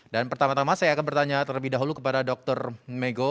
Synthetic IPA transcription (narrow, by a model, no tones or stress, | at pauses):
danpərt̪amat̪amasajaːkanbərt̪aɲat̪ələbɪhdaɦulukəpadadɔk̚t̪ɔrmeɡo